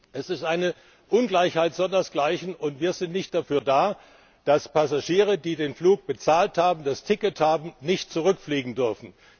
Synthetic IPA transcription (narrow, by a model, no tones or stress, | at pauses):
ʔɛsɪstʔaɪnə | ʔʊnɡlaɪçhaɪtz̥ɔndɐsɡ̥laɪçn̩ʊntv̥iːɐzɪntnɪçt̚d̥afyːɐdaː | d̥aspasaʃiːʁ̞ədiːdeːnfluːk̚b̥ət͡saːlthaːbm̩dastʰɪkəthaːbm̩nɪçtt͡suʁ̞ʏkfliːɡŋ̩dʏɐfn̩